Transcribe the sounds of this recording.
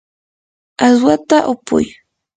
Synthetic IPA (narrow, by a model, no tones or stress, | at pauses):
aswat̪aʔʊpʊ̰j